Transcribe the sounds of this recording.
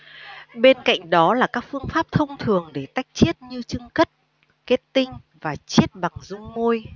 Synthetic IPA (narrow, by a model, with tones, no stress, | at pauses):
ɓe˧nka̰˧˨jŋ̟ɗɔ˨˦laː˨˩kaː˦˥k̚fɨ˧əŋfaː˦˥p̚t̪ʰə˧wŋ͡mt̪ʰɨ˨˩əŋɗe˧˩t̪a˦˥jk̚t͡ɕe˦˥ət̚ɲɨ˧t͡ɕɨ˧ŋkə˦˥t̚ | ke˦˥t̚t̪ï˧ŋ̟ | vaː˨˩t͡ɕi˦˥ət̚ɓa˨˩ŋzʊ˧ŋ͡mːo˧j